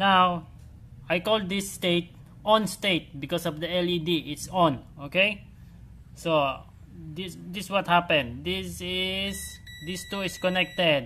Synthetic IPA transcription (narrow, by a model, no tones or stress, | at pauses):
naw | ʔajkɔld̪̚d̪ɪsːt̪eɪt̪̚ | ʔɔ̃nst̪eɪt̪̚bɪkɔsɔvd̪əɛlid̪iʔɪt̪sɔ̃nokej | so | d̪ɪsd̪ɪswʌt̪̚hapɛ̃nd̪̚d̪ɪsɪsd̪ɪst̪uɪskɔnɛk̚t̪ɛd̪̚